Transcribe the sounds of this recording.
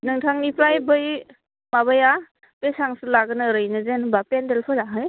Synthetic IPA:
nɯŋtʰaŋnipɾajbɯj | maβaja | pesaŋsulaɡɯnɯɾɯjnɯzenbapendelpʰɯɾaɦɯj

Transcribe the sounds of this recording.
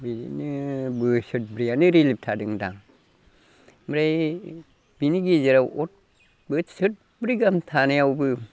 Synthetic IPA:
bininɯbɯsɯt̚bɾijanɯɾilip̚tʰadɯŋdaŋ | mɾaj | biniɡizeɾawɔt̚ | bɯtsɯt̚ | bɾiɡamtʰanajawbɯ

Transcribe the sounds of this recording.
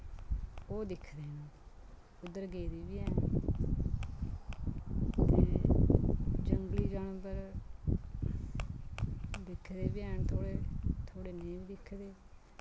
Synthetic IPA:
oːd̪ɪkʰd̪eːnː | ʊd̪ːəɾɡeːd̪iːbiːɛːn | t̪eː | d͡ʒəŋɡliːd͡ʒaːnpəɾ | d̪ɪkʰd̪eːbɪɛːnt̪ʰoːɽeːt̪ʰoːɽeːneibiːd̪ɪkʰːd̪eː

